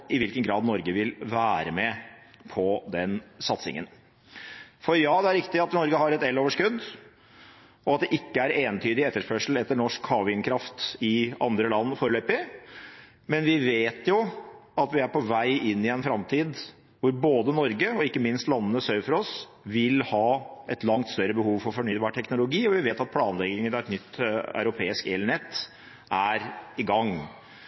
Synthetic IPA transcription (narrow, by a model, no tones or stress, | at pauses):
ɪʋɪlkənɡɾɑːd̪nɔɾɡəʋɪlʋæːɾəmɛpʰɔd̪ɛnsɑt̪sɪ̰ŋə̰n | fɔɾjɑːd̪ɛæɾɪkt̪ɪɑt̪nɔɾɡəɦɑɾɛt̪ɛlːoːʋəʂkʉd̪ː | ɔɑt̪̚d̪ɛʔɪkːəæɾeːnt̪ʰyːd̪ɪɛt̪ːəʂpœʂəl̩ɛt̪ːəɳɔʂkhɑːʋɪŋkʰɾɑft̪ɪɑ̰nd̪ɾəlɑnːfoːɾəløːpɪ | mɛnʋɪʋeːt̪jʊɑt̪ʋɪæɾpʰɔʋæɪʔɪnːɪɛnfɾɑmt̪ʰiːd̪ | ʋʊɾboːd̪ənɔɾɡəɔɪkːəmɪnst̪lɑnːənəsœfɔɾɔs | ʋɪlhɑːɛt̪lɑŋt̪st̪œɾːəbəhuːʋfɔɾfɔɳyːd̪bɑːɾʈʰɛknʊlʊɡiːɔʋɪʋeːt̪ɑt̪̚pʰlɑːnlɛɡɪŋənɑɛt̪nʏt̪ːœ̰ʉɾʊpʰeːɪskɛləɳɛt̪ː | ʔæɾɪɡɑŋː